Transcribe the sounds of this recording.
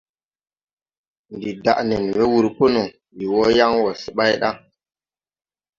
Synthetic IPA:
ndi˨da̰˨ʔne˨n˨we˦wu˦ɾpo˦no˨ | ji˨wo˦ja˦ŋwo˨si˨ɓa˦jɗa˦

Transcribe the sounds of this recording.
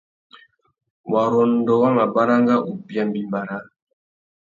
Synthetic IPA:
wa˨ɾɔ˨n˦dɔ˨wa˦ma˨ba˦ɾa˦ŋɡa˦ʔu˨bja˦mbi˦mba˨ɾa˦

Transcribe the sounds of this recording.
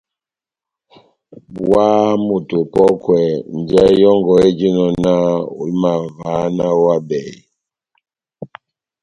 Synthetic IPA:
bwwa˦mu˨tu˨pɔ˦kwɛ˨n˨d͡ʒɛ˦jɔ˦ŋɡɔ˨e˦d͡ʒi˦nɔ˨na˦ṵ˨lma˨va˨˦na˦wa˦bɛ˨

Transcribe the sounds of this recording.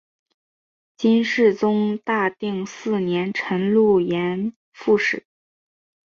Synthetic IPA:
t͡ɕi˥nʂɻ̩˥˩t͡sʊ˥ŋt̪a˥˧t̪i˥˧ŋsɹ̩˥˩njɛ˧˥nʈ͡ʂʰə˧˥nlu˥˩jɛ˧˥n | fu˥˩ʂɻ̩˨˩˦

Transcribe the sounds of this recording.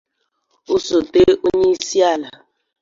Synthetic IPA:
u˦so˨te˦ʔo˦ɲe˦i˦si˦a˦˨la˨

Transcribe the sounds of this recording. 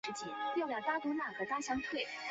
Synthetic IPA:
ɻ̩˧˥t͡ɕʰi˧˥npjɑ˥˩jɑ˨˩t̪a˥k̪wɔ˧˥na˥˩xɤ˧˥t̪a˥ɕjɑ˧˥ŋt̪ʰwe˥˩ɪ

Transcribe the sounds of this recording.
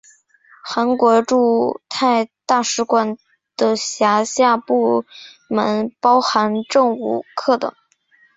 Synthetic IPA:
xa˧˥nkwɔ˧˥ʈ͡ʂu˥˧t̪ʰa˥˧ɪt̪a˥˩ʂɻ̩˧˥kwa˧˩n | d̪̥ə˧ɕja˧˥ɕja˥˧pu˥˩ | mə˧˥npɑ˥ʊxa˧˥nʈ͡ʂɤ˥˧ŋṵ˨˧˩kʰɤ˥˩t̪ə̰˨˩˦ŋ

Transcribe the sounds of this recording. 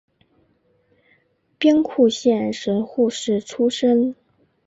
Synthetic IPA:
pjɛ˥nkʰu˥˧ɕjɛ˥˩nʂə˧˥nxu˥˧ʂɻ̩˥˩ʈ͡ʂʰu˥ʂə˥ŋ

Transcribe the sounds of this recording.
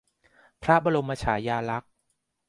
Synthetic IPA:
pʰɾa˦˥ba˧lo˧mːa˧t͡ɕʰaː˩˦jaː˧la˦˥k̚

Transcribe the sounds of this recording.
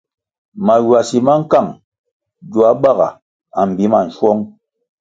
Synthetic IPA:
ma˨jwa˨si˨ma˦ŋ̩˦ka˦˨ŋ | ɟu˨a˦ɓa˦˨ɣa̰˨ | a˨m̩˨bi˨˦ma˨n̩˨˦ʃwɔ˦ŋ

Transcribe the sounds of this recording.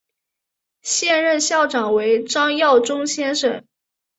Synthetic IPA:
ɕjɛ˥˧nɻə˥˧nɕjɑ˥˩ʊʈ͡ʂɑ˨˩ŋwe˧˥ɪʈ͡ʂɑ˥ŋjɑ˥˩ʊʈ͡ʂʊ˥ŋɕjɛ˥nʂə˨˩˦n

